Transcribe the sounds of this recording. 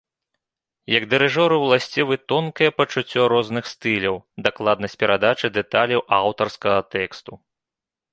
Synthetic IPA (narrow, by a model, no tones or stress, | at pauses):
jɐɡd̪ɨɾɨʐɔɾɨwlˠasʲt͡sʲivɨt̪ɔnkɐjɛpɐt͡ʂut͡sʲːɔɾɔznɨxst̪ɨlʲɐwd̪aklˠad̪nɐsʲt͡sʲpʲɛɾad̪at͡ʂɨd̪ɛt̪alʲɐwʔawt̪ɐrskɐɣɐt̪ɛkst̪u